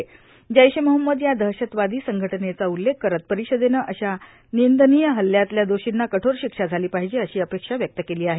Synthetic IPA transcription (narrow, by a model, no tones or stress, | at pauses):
d͡ʑəjɕeməɦəmːəd̪jad̪ʱəɦɕət̪ʋad̪iːsəŋɡʱəʈənet͡saulːekːəɾət̪̚pəɾiɕəd̪enəʔəɕa | nind̪ənijəɦəljat̪ljad̪oɕinːakəʈʰoɾɕikʂad͡zʱaliːpaɦid͡ʑeəɕiːəpekʂaʋjək̚t̪əkeliːaɦe